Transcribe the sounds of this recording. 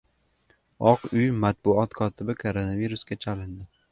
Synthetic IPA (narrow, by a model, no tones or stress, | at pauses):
ɒqʊjmat̪̚bʊɒt̪kʰɒt̪ʰɪbɪkʰoɾonaviɾʊskʲat͡ʃʰalɪnd̪ɪ